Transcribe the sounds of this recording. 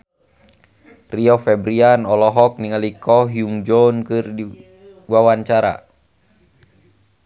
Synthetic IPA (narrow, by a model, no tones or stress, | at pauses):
riɔfɛbɾianɔlɔɦɔk̚niŋalikɔɦiuŋd͡ʒɔnkɨrdi | wawaɲt͡ʃaɾa̰